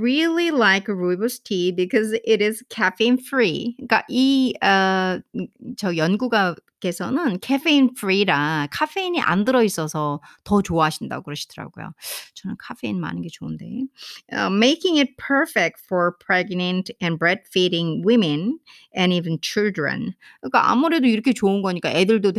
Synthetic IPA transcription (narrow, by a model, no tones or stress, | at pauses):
ɹililaɪkɹubəstʰibikʰʌzɪɾɪz̥kʰɛfeinfɹika̰ʔiʌ | t͡ɕʌjʌnɡuɡake̞sʰʌnɯnkʰɛfeinfɾiɾakʰafe̞iɲiʔa̰ndɯɾʌis͈ʌsʰʌtʌt͡ɕoaɦaɕʰinda̰kɯɾʌɕʰi̥d̥ɯɾa̰ɡo̰jo̰t͡ɕʌnɯnkʰafʰeinma̰nɯnɡe̞t͡ɕoɯnde̞̰ʌ̰meɪkɪ̃ŋɪt̚pʰə˞fɛk̚t̚fɔɹpʰɹ̥ɛɡnɛ̃ntɛ̃nbɹɛd̚fiɾɪ̃ŋwɪmẽn | ɛ̃nivent͡ɕʰildɹḛ̃n | kk͈aʔa̰muɾe̞doiɾʌkʰe̞t͡ɕoɯnɡʌɲik͈aʔedɯɭdot